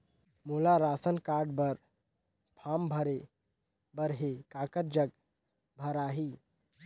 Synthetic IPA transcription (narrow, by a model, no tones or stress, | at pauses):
mulaɾasənkaɾɖbəɾ | pʰambʱəɾe | bəɾɦekakət̚d͡ʒəɡ | bʱəɾaɦi